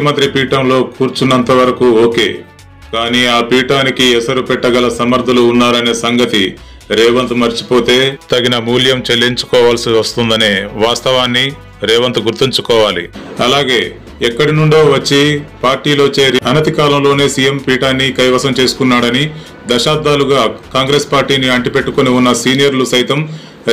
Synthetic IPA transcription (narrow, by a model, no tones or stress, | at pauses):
ɐmɐnt̪ɾipiːʈɐmlo̞ːkuːɾt͡ʃunːɐnt̪ɐʋɐɾɐkuoːke̞̰ː | kaːniːaːpiːʈaːnikiɛsɐɾupɛʈːɐɡɐlɐsɐmɐɾd̪ʱɐluːnːaːɾɐne̞ːsɐŋɡɐt̪i | ɾɛːʋɐnt̪umɐɾt͡ʃi̥po̞ːt̪e̞ːt̪ɐɡinɐmuːljɐmt͡ʃe̞lːiɲt͡ʃu̥kɔːʋaːlsiʋɐst̪und̪ɐneːʋaːst̪ɐʋaːnːi | ɾɛːʋɐnt̪uɡuɾt̪ːiɲt͡ʃukɔːʋaːlḭɐlaːɡe̞ː | ɛkːɐɽinuɳɖo̞ːʋɐt͡ʃːipaːɾʈiːlo̞ːt͡ʃe̞ːɾiɐnɐt̪ikaːlɐmlo̞ːne̞ːsije̞mpiːʈaːnːikɐjʋɐsɐmt͡ʃe̞ːsu̥kunːaːɽɐni | d̪ɐʃaːb̚d̪aːluɡaːkaːŋɡɾe̞ːspaːɾʈiːniɐɳʈipe̞ʈːukoniunːɐsiːnijɐɾlusɐjit̪ɐm